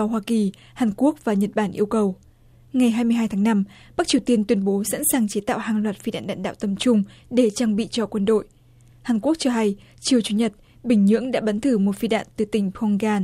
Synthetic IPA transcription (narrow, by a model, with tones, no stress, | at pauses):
hwaː˧ki˨˩ | haː˨˩nku˦˥ək̚vaː˨˩ɲə˨˩t̚ɓaː˧˩nʔi˧əwkə˨˩w | ŋa˨˩jɦaː˧jmɨ˧ɦaː˧jt̪ʰːŋna˧m | ɓa˦˥k̚t͡ɕi˩wt̪i˧ənt̪wi˧ənɓo˨˦sa̰˧˥nsaː˨˩ŋt͡ɕe˨˦t̪a̰ː˧˨whaː˨˩ŋlwaː˨˩t̚fi˧ɗa̰ː˧˨nɗa̰ː˧˨nɗa̰ː˧˨wt̪ə˨˩mt͡ɕʊ˧ŋ͡m | ɗe˧˩t͡ɕaː˧ŋɓḭ˧˨t͡ɕɔ˧kwə˧nɗo̰˧˨j | haː˨˩nku˦˥ək̚t͡ɕɔ˧ɦa˧j | t͡ɕi˨˩əwt͡ɕu˧˩ɲə˨˩t̚ | ɓï˨˩ŋ̟ɲɨ̰˧˥əŋɗa̰ː˧˥ɓə˨˦nt̪ʰɨ˧˩mo˨˩t̚fi˧ɗa̰ː˧˨nt̪ɨ˨˩t̪ï˨˩ŋ̟pʰɔ˧ŋɣaː˧n